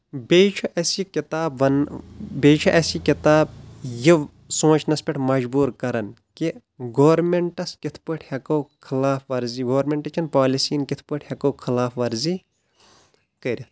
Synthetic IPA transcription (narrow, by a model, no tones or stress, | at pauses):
bet͡ʃʰuʔɐsikit̪aːbʋɐnbeːt͡ʃʰuʔɐsikit̪aːb̚ji | sõːt͡ʃʰnɐspʲɐʈʰmɐd͡ʒbuːɾkɐɾɐn | ki | ɡoːɾmeɳʈɐskit̪ʰpɨʈʰhɐkowkʰɐlaːfʋɐɾziɡoːɾmʲeɳʈɐt͡ʃʰɐnpaːlisiːnkit̪ʰpɨʈʰhɐkokʰɐlaːfʋɐɾziː | kɐɾʲi